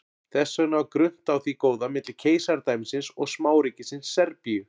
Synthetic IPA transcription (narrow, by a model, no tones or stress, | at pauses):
θɛsːœnakɾʏn̥t̪awθikoːwðamɪt̪lɪ̥cʰeːjsaɾt̪ajmsɪnsɔɣsmaːwɾiːcɪsɪnsːɛɾpiʏ